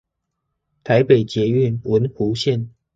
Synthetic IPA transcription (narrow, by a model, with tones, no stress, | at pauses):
t̪ʰa˧˦ɪpe˨˩ɪt͡ɕjɛ˨˧˦y˥˨nwə˨˦nxu˨˦ɕjɛ˥˨n